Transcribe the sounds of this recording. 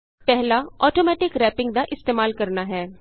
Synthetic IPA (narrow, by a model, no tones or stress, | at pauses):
pɛɦlaɔːʈoːmɛːʈɪkɾɛːpɪ̃ŋɡd̪aʔɪst̪eːmaːlkɐɾnaɦɛː